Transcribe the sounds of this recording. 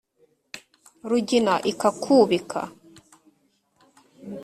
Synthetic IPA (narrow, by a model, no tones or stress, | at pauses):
ɾuɟinaʔikakʰuːβikʰa̰